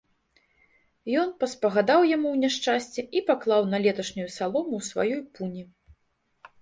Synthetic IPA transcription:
jɔnpɐspɐɣad̪awjamuwnʲaʂt͡ʂasʲt͡sʲɛʔipaklˠawnɐlʲɛt̪ɐʂnʲujusalˠɔmuwsva̰jɔjpunʲi

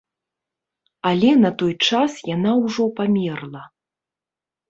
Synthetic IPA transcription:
alʲɛnɐt̪ɔjt͡ʂasjanawʐɔpamʲɛrlˠɐ

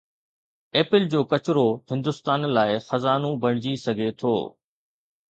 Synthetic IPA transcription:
eːpɪld͡ʑoːkɐt͡ɕɾohɪ̃nd̪ʊst̪aːnlaːɪxɐzaːnũbɐɽ̃d͡ʑisɐɡʱet̪ʰo̰ː

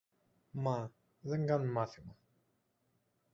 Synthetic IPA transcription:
ma | zəŋɡanmaθima

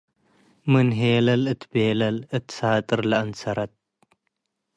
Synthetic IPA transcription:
mɨnɦeːlɐlɨt̪ʰbeːlɐlɨt̪saːt̪ʼɨɾlɐɐnsɐɾɐt̪̚

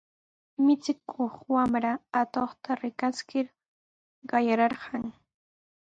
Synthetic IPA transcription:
mɪt͡sɪkʰoχwamɾaat̪oχt̪aɾɪkaskɪɾ | ɢɑjaɾɑɾɢɑŋ

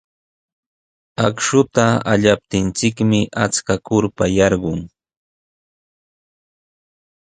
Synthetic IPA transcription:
akʃʊt̪aa̰ʎap̚t̪ɪnt͡sɪkmɪʔat͡skakʊɾpajɑɾɢʊŋ

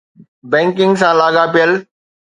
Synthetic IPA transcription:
bɛ̃ːŋkɪ̃ŋɡsãlaːɠapijəl

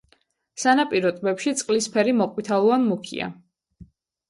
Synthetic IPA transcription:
sanapʼiɾɔt̪ʼbɛpʃit̪sʼqʼlispʰɛɾimɔqʼwit̪ʰalˠɔanmukʰḭa̰

